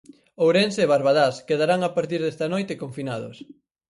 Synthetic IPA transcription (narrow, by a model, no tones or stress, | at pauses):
owɾenseːβaɾβaðaskeðaɾaŋapaɾt̪iɾðest̪anojt̪ekoɱfinaðʊ̰s